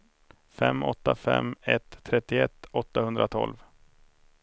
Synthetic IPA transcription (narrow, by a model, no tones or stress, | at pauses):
fɛmːɔt̪ːafɛmːɛt̪ʰːɾɛt̪ːɪɛt̪ːɔt̪ːahɵnd̪ɾat̪ʰɔ̰lv